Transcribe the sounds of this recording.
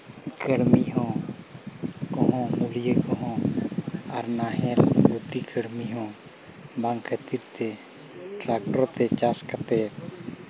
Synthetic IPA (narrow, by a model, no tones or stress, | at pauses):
kəɽmiɦõː | kɔɦõmulijekɔɦõ | a̰ɾnaːɦeɾbut̪ikʰəɽmiɦõː | bãŋɡkʰət̪iɾt̪e | ʈɾaːk̚ʈəɾt̪et͡ʃaːskət̪eː